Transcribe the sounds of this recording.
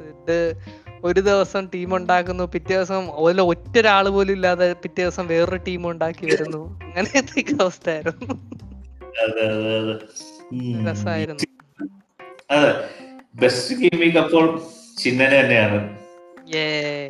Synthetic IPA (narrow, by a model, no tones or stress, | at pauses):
iɖɨo̞ɾud̪iʋɐsɐmʈiːmuɳɖaːkːunːupitːeʋɐsɐmɐðileotːoɾaːɭɨbo̞ːlumilːaːðepitːeʋɐsɐmʋe̞ːrɨʈiːmuɳɖaːkːiʋɐɾunːuɐŋːɐnet̪ːeːkːɐʋɐst̪aːjiɾunːu | ɐðɨɐðɨɐðɨ | lɐsaːjiɾunː | ɐðebestɨkeːmiːkːɐpːo̞ːɭt͡ɕinːɐnet̪ɐnːeaːɳɨ | je